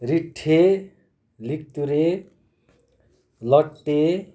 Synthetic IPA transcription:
riʈʰːe | lik̚t̪uɾe | lʌʈːe

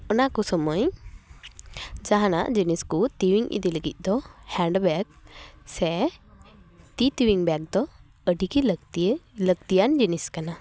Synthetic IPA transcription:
ɔnakɔsɔməj | d͡ʒaɦana̰ʔd͡ʒiniskut̪iwiŋʔḭd̪iləɡit̪̚ˀd̪ɔhɛɳɖbɛk̚sɛ | t̪it̪iwiŋbɛk̚d̪ɔ | əɖiki | ləkt̪ijand͡ʒiniskana

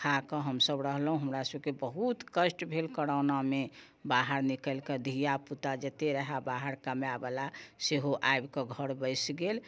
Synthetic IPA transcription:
kʰakɔɦəmsəbɾəɦlɦũɦəmɾasəbkebəɦut̪kəsʈbʱelkəɽaʊname | baɦəɾnikəlked̪ʱijaput̪ad͡ʒet̪eɾəɦabaɦəɾkəmeabəlaseɦoʔajbkɔɡʱəɾbəɪsɡel

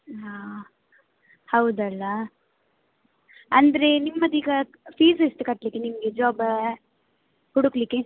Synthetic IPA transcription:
a | hɐwd̪ɐlːɐ | ɐnd̪ɐɾenimːɐd̪iːɡɐ | piːsist̪ukɐʈlikːenimɐɡed͡ʒaːb | huɽuklikːe

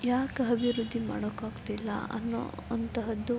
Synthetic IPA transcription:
jaːkɐbʱiɾud̪ʱːima̰ːɽokaːɡt̪ilːɐ̰ɐ̰nːo̰ɐnt̪ɐɦɐd̪u

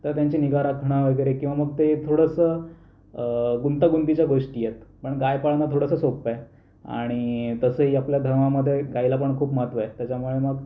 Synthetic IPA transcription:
t̪əɾt̪jaɲt͡ɕiniɡaɾakʰɽ̃aʋəɡəjɾekĩw̃ʋaməɡ̚t̪et̪ʰoɽəsə | ɡunt̪aɡunt̪it͡ɕjaɡoʂʈiːjet̪pəɳɡajpaɭnat̪ʰoɽəsəsoppaj | a̰ɽ̃it̪əsəɦiːapljad̪ʱəɾmaməd̪ʱːjeɡailapəɳkʰuːpmat̪ʋajt̪jat͡ɕamuɭeməɡ

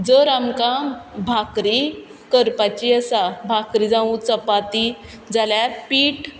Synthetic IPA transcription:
d͡zəɾamkabʱakɾi | kəɾpat͡ɕiəsabʱakɾid͡zãũt͡səpat̪i | d͡zaljaɾpiːʈ

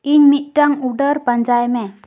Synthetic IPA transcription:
iɲmit̪̚ˀʈaŋuɖəɾpəɲd͡ʒajmɛ

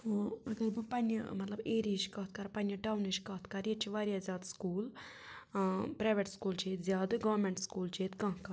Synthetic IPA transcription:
oɐɡɐɾbɨpɐnɐ̰mɐt̪lɐbeːɾiʃkɐt̪ʰkɐɾpɐnʲjɐɖaːwniʃkɐːt̪ʰkɐɾjet͡ʃʰiʋaːɾiazʲjaːd̪skuːl | pɾaːʋeʈskuːlt͡ʃʰeːt̪zʲjaːd̪ɡɐʋɐɾmeɳʈskuːlt͡ʃʰeːt̪kɐ̃ɦkɐ

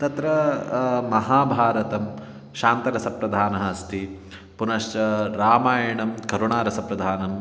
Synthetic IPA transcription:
t̪ɐt̪ɾɐ | mɐɦaːbʱaːɾɐt̪ɐm | ʃaːnt̪ɐɾɐsɐpɾɐd̪ʱaːnɐɦɐɐst̪i | punɐʃt͡ʃɐɾaːmaːjɐɳɐmkɐɾoːɳaːɾɐsɐpɾɐd̪ʱaːnɐm

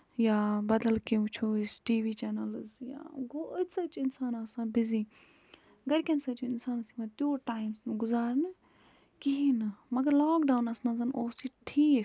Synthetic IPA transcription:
jaːbɐd̪ɐlkeũt͡ʃʰoːisʈiːʋiːt͡ʃɛːnɐlɨzja̰ːɡoːsɐt͡ʃɪnsaːnɐsãːbiziː | ɡɐɾkʲɐnsɐt͡ʃuɪnsaːnɐsimɐt̪joːʈaːjmsnuɡʊzaːɾnɨ | kiɦinɐmɐɡɐɾlaːkɖaːwnɐsmɐ̃nzɐnoːsiʈʰiːk

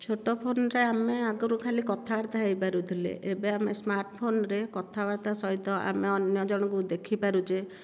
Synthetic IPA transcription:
t͡ʃʰoʈɔpʰonɾeameaɡɔɾukʰalikɔt̪ʰabaɾt̪aɦejpaɾut̪ʰilḛʔebeamesmaɾʈɔpʰonɾekɔt̪ʰabaɾt̪asɔɦit̪ɔʔa̰meɔnjɔd͡ʒɔɽ̃ɔk̬ud̪ekʰipaɾud͡ʒe

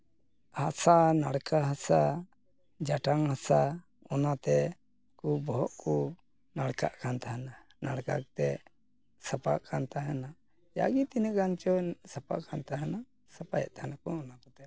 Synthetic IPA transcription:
hasanaɽkaɦasa | d͡ʒaʈaŋhasa | ɔnat̪ɛ | kubɔɦɔʔkɔ | naɽka̰ʔkant̪ʰaɦana | naɽka̰kt̪ɛ | sapaʔkʰant̪aɦɛna | ja̰ɡit̪inɛʔɡant͡ʃɔsapa̰ʔkʰant̪aɦana | sapajɛ̰ʔ̚t̪ʰaɦanakɔɔnakɔt̪ɛ

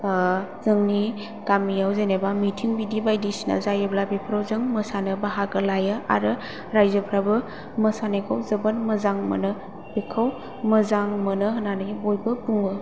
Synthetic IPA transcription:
zɯŋni | kamijawzenebamitʰiŋbidibajdisina̰zajeblabipʰɾawzɯŋməsanɯbaɦaɡɯlajɯʔa̰ɾɯ | ɾajzəpʰɾabɯ | məsanekʰawzɯbanməzaŋmə̰nɯ | bekʰaw | məzaŋmənɯɦənanɯbojbɯbuŋɯ

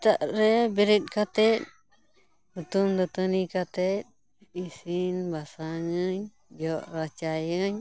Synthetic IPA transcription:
t̪aʔɾɛbiɾit̪̚kat̪ɛt̪̚ | hut̪umd̪ɔt̪ənikat̪ɛt̪̚ | isinbasaŋəɲ | d͡ʒɔʔɾat͡ʃajəɲ

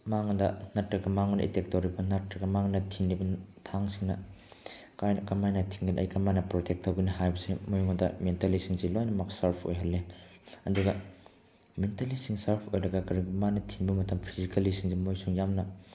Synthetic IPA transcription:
maŋdɐnɐtɾɐɡɐmaŋonɐ̰ʔḭtek̚toɾibɐnɐtɾɐɡɐmaŋnɐtʰiŋlibɐtʰaŋsiŋnɐ | kajnkɐmajnɐtʰiŋɡiniʔɐ̰jkɐmajnɐpɾotʰek̚tʰɐwɡɐniɦajbɐsemojŋodɐ̰mentɐlisiŋzelojnɐmɐksɐɾpʰo̰jɦɐlːe | ɐduɡɐ | mentɐlisiŋsɐɾpʰojɾɐɡɐkɐɾiɡimanɐtʰiŋbɐmɐtʰɐmpʰizikɐlisiŋzimojsuŋjamnɐ

